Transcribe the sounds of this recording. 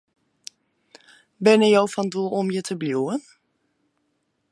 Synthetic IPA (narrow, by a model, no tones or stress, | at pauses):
bɛnəjowfɔndulˠɔmjətʰəbljuːən